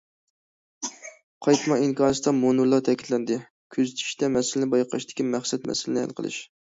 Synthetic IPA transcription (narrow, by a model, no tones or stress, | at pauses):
qʰɑjt̪mɑiŋkʰɑːnɨsd̪ɑmonuɾlˠɑɾt̪ʰɛkʲit̪lɛnd̪ɪ | kʲʰøzɪt̪ʰy̥ʃd̪ɛmɛsɪlɪnɪbɑjqʰɑʃd̪ɪ̥kʲimæχsɛt̪mɛ̰sɪlɪnɪhæ̰lˠqʰə̰lˠɨ̰ʃ